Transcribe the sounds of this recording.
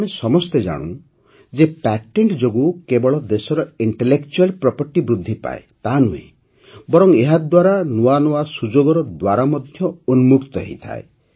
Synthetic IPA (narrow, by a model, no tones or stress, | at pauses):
mesɔmɔst̪ed͡ʒa̰ɽ̃ṵ̃ | d͡ʒepɛʈeɳʈd͡ʒoɡukebɔɭɔd̪esɔɾɔiɳʈelekt͡ʃualpɾɔpɔɾʈibɾud̪ʱːipa̰ḛt̪anuḛ | bɔɾɔŋeɦad̪waɾanuwanɔwasud͡ʒoɡɔɾɔd̪waɾamɔd̪ʱjɔunmukt̪ɔɦḛjt̪ʰa̰e